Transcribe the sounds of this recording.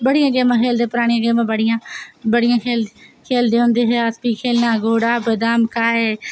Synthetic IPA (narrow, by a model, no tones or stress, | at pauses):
bəɽɪjãːɡeːmãːkʰeːld̪eːpʊɾaːɽ̃ijãːɡeːmãːbəɽɪjãːbəɽɪjãːkʰeːlkʰeːld̪eːɦʊ̃nd̪eːɦeaspiːkʰeːlnãːɡoːɽaːbəd̪aːmkaːɦeː